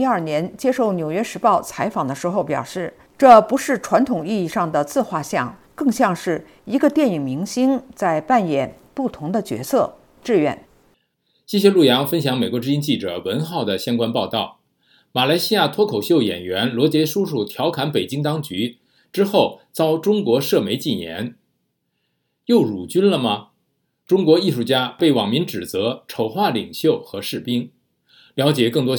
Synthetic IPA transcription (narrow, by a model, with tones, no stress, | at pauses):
i˥ɐ˞˥˩njɛ˧˥nt͡ɕjɛ˥ʂo˥˩ʊnjo˨˩ʊɥɛ˥ʂɻ̩˧˥pɑ˥˩ʊt͡sʰa˧˥ɪfɑ˨˩ŋd̪ə˦ʂɻ̩˧˥xo˥˧ʊpjɑ˨˩ʊʂɻ̩˥˩ | ʈ͡ʂɤ˥˩pu˧˥ʂɻ̩˥˩ʈ͡ʂʰwa˧˥nt̪ʰʊ˨˩ŋi˥˧i˥˧ʂɑ˥˩ŋd̪ə˩t͡sɹ̩˥˧xwa˥˧ɕjɑ̰˥˩ŋ | kɤ˥˧ŋɕjɑ˥˧ŋʂɻ̩˥˩ | i˧˥ɡə˧t̪jɛ˥˩ni˨˩ŋmi˧˥ŋɕi˥ŋt͡sa˥˧ɪpa˥˩njɛ˨˩n | pu˥˩t̪ʰʊ˧˥ŋd̪ə˧t͡ɕɥɛ̰˧˥sɤ˥˩ | ʈ͡ʂɻ̩˥˧ɥɛ̰˥˩n | ɕi˥ɕ̬jɛ˥lu˥˩jɑ˧˥ŋfə˥nɕjɑ˧˥ŋme˨˩ɪkwɔ˧˥ʈ͡ʂɻ̩˥i˥nt͡ɕi˥˩ʈ͡ʂɤ̰˨˩wə˧˥nxɑ˥˩ʊd̪ə˩ɕjɑ˥ŋkwa˥npɑ˥˧t̪ɑ˥˩ʊ | ma˨˩la˧˥ɪɕi˥ja˥˩t̪ʰwɔ˥kʰo˨˩ʊɕjo˥˧ʊjɛ̰˨˩nɥɛ˧˥nlwɔ˧˥t͡ɕjɛ˧˥ʂu˥ʂu˥˩t̪ʰjɑ˧˥ʊkʰa˧˥npe˨˩ɪt͡ɕi˥ŋt̪ɑ˥ŋt͡ɕy˧˥ | ʈ͡ʂɻ̩˥xo˥˩ʊt͡sɑ˥ʊʈ͡ʂʊ˥ŋkwɔ˧˥ʂɤ˥˩me˧˥ɪt͡ɕi˥˩jɛ̰˧˥n | jo˥˩ʊɻu˨˩t͡ɕy˥nlə˨mɐ˩ | ʈ͡ʂʊ˥ŋkwɔ˧˥i˥˧ʂu˥˩t͡ɕja˥pe˥˩ɪwɑ˨˩ŋmi˧˥ŋʈ͡ʂɻ̩˨˩t͡sɤ˧˥ʈ͡ʂʰo˨˩ʊxwa˥˩li˨˩ŋɕjo˥˩ʊxɤ˧˥ʂɻ̩˥˩pi˥ŋ | ljɑ˧˥ʊt͡ɕjɛ˨˩kɤ˥˩ŋt̪wɔ˥